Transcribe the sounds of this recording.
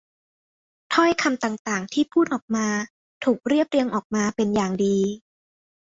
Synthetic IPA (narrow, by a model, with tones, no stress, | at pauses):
t̪ʰɔ˥˩jkʰa˧mt̪aː˨˩ŋt̪aː˨˩ŋt̪ʰiː˥˩pʰuː˥˩t̪ʔɔː˨˩k̚maː˧ | t̪ʰuː˨˩k̚ɾi˥˩əp̚ɾi˧əŋʔɔː˨˩k̚maː˧pe˧njaː˨˩ŋdiː˧